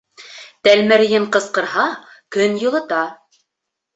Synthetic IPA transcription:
t̪ælmæɾɘ̆jɘɴqɤ̆sqɤ̆ɾɦɑkɵnjɤ̆lˠɤ̆t̪ɑ

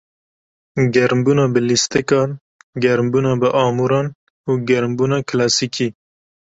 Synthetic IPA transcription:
ɡɛɾmbuːnɑːbəlist̪ɪkɑːn | ɡɛɾmbuːnɑːbəʔɑːmuːɾɑːn | uːɡɛɾmbuːnɑːkʰlɑːsiːkʰiː

